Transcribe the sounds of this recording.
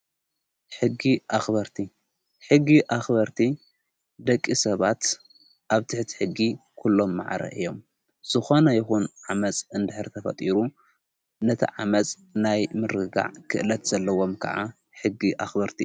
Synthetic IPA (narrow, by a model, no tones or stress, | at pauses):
ħɨɡːiʔaxbɐɾt̪ʰi | ħɨɡːiʔaxbɐɾt̪ʰi | d̪ɐkʼːisɐβat̪ | ʔaβt̪ʰɨħt̪ʰi̥ħɨɡːikʰulːo̞mːa̰ʕɾɐ̰ʔɨ̰jːo̞m | z̥ɨxo̞nɐjɪxunʕamɐt͡sʼɨnd̪ɨħɨɾt̪ʰɐfɐ̰t̪ʼiɾu | nɐt̪ʰḭʕamɐt͡sʼ | najmɨɾɨɡa̰ʕkʰɨʔɨlɐt̪z̥ɐlːɐwo̞mkʰɐ̰ʕa | ħɨɡːiʔa̰xbɐɾt̪ʰi